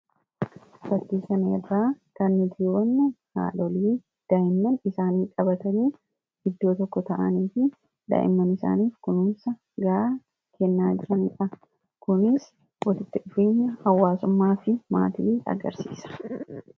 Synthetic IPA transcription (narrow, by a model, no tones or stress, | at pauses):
bɐt̪ːiːsɐnɐɛ̰raːkɐnːɪd̪iːwɐnːɐha̰ːlɔliː | d̪̥ɐʔɪmːɐnɪsaːniːkʼɐbɐt̪ɐniː | ɪd̪ːo̞ːt̪ɔkːɔt̪ɐʔɐniːfɪ | d̪ɐ̰ʔɪ̰mːɐnɪsa̰ːniːfkʊnʊmsɐ | ɡɐɾaː | kʰɛnːaːd͡ʒɪɾɐnɪᶑɐ | kʊnɪs | wɔlɪt̪ːɪᶑʊfe̞ːɲːɐhɐwːaːsʊmːaːfɪma̰ːt̪iːɐ̰ɡɐ̰ɾsḭːsɐ̥